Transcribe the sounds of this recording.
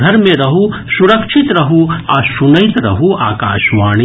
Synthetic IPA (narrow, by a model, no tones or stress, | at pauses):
ɐɾmẽɾɐɦu | suɾɐkʃʰɪt̪ɾɐɦuasunɐjt̪ɾɐ̰ɦuaːkaːʃʋaːɽ̃i